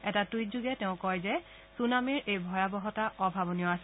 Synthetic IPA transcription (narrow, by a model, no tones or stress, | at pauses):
ɛtatuitzuɡɛtɛʊ̃kɔjzɛ | sunamiɹʔejbʱɔjabɔɦɔtaʔɔbʱabɔnijɔasɛ